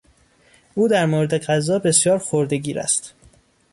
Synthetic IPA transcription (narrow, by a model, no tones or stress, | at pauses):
ʔuːd̪æɾmoːɾed̪e̞ɢæzɒːbe̞sjɒːɾxoɾd̪e̞ɡiːɾæ̰st̪